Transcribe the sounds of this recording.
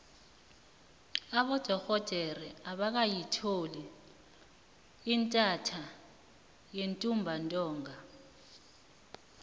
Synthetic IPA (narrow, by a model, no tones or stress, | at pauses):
aɓɔd̥ʱɔxɔd̥ʱɛrɛaɓak̬ajitʰoli | intʼatʰa | jentʼumbʱantʼɔːŋa